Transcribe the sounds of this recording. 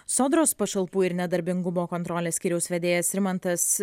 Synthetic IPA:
soːd̪ɾoːspɐʃɐlˠpuːɪɾnʲɛd̪ɐɾʲbʲɪŋɡʊmoːkɔnt̪ɾɔːlʲeːsʲkʲiːɾʲɛʊsʲʋʲɛd̪ʲeːjɛsɾʲɪmɐnt̪ɐs

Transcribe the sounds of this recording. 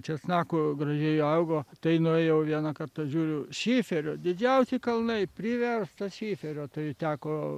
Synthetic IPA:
t͡ʃʲɛt̪snɑːkoɡrɐʒʲɛjoɐʊɡoːt̪ɐɪnʊɛjɛʊʋʲiɛnɐkɐrt̪ɐʒʲuːɾʲʊʃʲiːfʲɛɾʲoːd̪ʲɪd͡ʒʲɛʊsʲɪkɐlˠnɐɪpʲɾʲɪʋʲɛrst̪ɐʃʲiːfʲɛɾʲoːt̪ɐɪt̪ʲæːkoː

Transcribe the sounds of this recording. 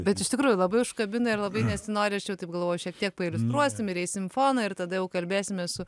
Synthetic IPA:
bʲɛt̪ɪʃt̪ʲɪkɾuːjʊlˠɐbɐɪʊʃkɐbʲɪnɐɪrlˠɐbɐɪnʲɛsʲɪnoːɾʲɪɐʃjɛʊt̪ɐɪpɡɐlˠʋoːjʊʃʲiɛk̚t̪ʲiɛk̚pɐɪlʲʊst̪ɾuɔsʲtʲɪmɪɾɛɪsʲɪmfoːnɐɪrt̪ɐd̪ɐjɛʊkɐlʲbʲeːsʲɪmʲɛsʊ

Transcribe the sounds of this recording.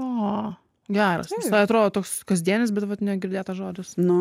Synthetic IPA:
oː | ɡʲæːɾɐ̰snʲɛsɑɐt̪ɾoːd̪oːt̪oːkskɐzʲd̪ʲiɛnʲɪsbʲɛt̪ʋɐt̪nʲɛɡʲɪɾʲd̪ʲeːt̪ɐʒoːd̪ʲɪsnʊ

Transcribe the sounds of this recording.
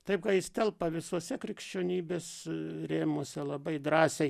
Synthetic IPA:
t̪ɐɪp̚kɐjɪst̪ʲɛlˠpɐʋʲɪsuɔsʲɛkɾʲɪkʃʲt͡ʃʲoːnʲiːbʲeːsɾʲeːmoːsʲɛlˠɐbɐɪd̪ɾɑːsʲɛɪ

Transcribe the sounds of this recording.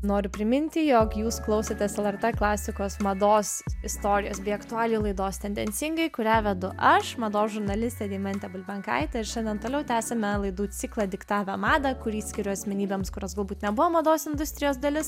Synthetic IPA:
noːɾʲʊpʲɾʲɪmʲɪnʲt̪ʲɪjoːkjuːsklˠɒʊsʲet̪ʲɛsɛlˠɛrt̪ɛklˠɑːsʲɪkoːsmɐd̪oːsɪst̪oːɾʲɪjoːsbʲɛɪɐkt̪ʊɑːlʲilˠɐɪd̪oːst̪ʲɛnʲd̪ʲɛnʲsʲɪŋɡɐɪkʊɾʲæːʋʲɛd̪ʊʔɐʃmɐd̪oːʒʊɾnɐlʲɪsʲt̪ʲɛːd̪ʲɛɪmɐnʲt̪ʲɛbʊlʲbʲɛŋkɐ̰ɪt̪ɐɪɾʃʲɛnʲd̪ʲɛnt̪oːlʲɛʊt̪ʲæːsʲɛmʲɛlˠɐɪd̪uːt͡s̪ʲɪklˠɐd̪ʲɪkt̪ɑːʋʲɛmɑːd̪ɐkʊɾʲiːsʲkʲɪɾʲʊɐsʲmʲɛnʲiːbʲɛːmskʊɾʲoːsɡɐlˠbuːt̪nʲɛbʊʋoːmɐd̪oːsɪnd̪ʊst̪ʲɾʲɪjoːsd̪ɐlʲɪs

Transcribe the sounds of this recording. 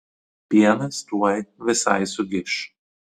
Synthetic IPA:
pʲiɛnɐst̪uɔjʋʲɪsɐ̰ɪsʊɡʲɪʃ

